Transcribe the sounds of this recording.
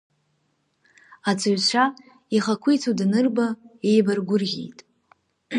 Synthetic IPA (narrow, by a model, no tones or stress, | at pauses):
at͡sʰʼɨɥt͡ɕʷʰa | iχakʷʰʊjt͡sʰudnɨrbaejbarɡʷʊrɣʲḭjtʼ